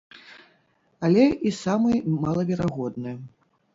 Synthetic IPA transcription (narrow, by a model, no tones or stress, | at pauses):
alʲɛʔisamɨjmalˠɐvʲɛɾaɣɔd̪nɨjɐ